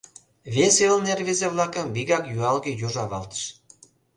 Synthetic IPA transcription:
βʲeselnerβezeβlˠɑkə̆mβiɣɑkjuɑlɣĕjuʒɑβɑlt̪ə̥ʃ

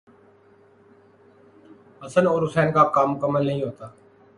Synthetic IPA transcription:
əsənoːɾʊsɛːnkaːp̚kaːmʊkəmːəlnəɦĩːɦoːt̪aː

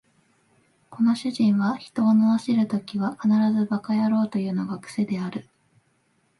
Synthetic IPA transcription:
ko̞no̞ɕɨʑĩɰ̃βaçi̥t̪o̞ːnoaɕiɾɯ̟t̪o̞kʲiβakanaɾazɨbakajaɾo̞ːt̪o̞jɯ̟ːno̞ɡakɯ̟̥se̞d̪e̞aɾɯ̟

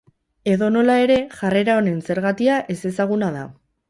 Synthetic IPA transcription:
e̞ðo̞no̞lae̞ɾe̞ʝare̞ɾao̞ne̞nse̞ɾɣat̪iaʔe̞se̞saɣ̞unaða̰

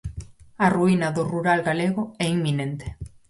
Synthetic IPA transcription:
aruinaðuruɾalɣaleɣ̞oeimːine̞nt̪e̥

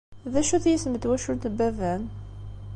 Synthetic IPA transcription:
ðæʃuθjisməd̪wæʃunt̪bævæn

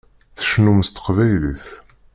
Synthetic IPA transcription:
θə̥ʃnumst̪ə̥qvæjlḭθ

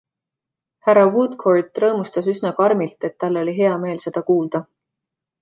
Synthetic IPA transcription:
hæɾɑwut̪kʰord̪rɤːmust̪ɑsysnɑkɑrmilt̪e̞t̪ːɑlːo̞lʲiɦe̞ɑme̞ːlse̞d̪̥ɑkuːld̪̥ɑ

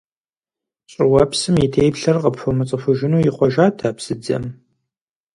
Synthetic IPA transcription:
ɕʼɪwɐpsɨmjitʰeːjpɬɐrqɐpfɐmɨt͡sʼɨfʊʒɪnuːjɪχʷɔʒaːtʰaːpsɨd͡zɐ̰m

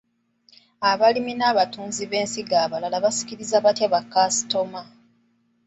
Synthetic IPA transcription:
aβaliminaːβatuːnziβe̞ːnsiɡaːβalalaβasi̥ciɾizaβatjaβakːasi̥to̞ma

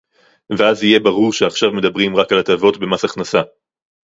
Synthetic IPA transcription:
veazije̞baʁuʁʃeaχʃavme̞d̪abʁimʁakalat̪avo̞tbe̞masaχnasa

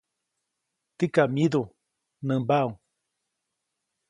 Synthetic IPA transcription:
t̪ikamid̪u | nɨ̃mbauŋ

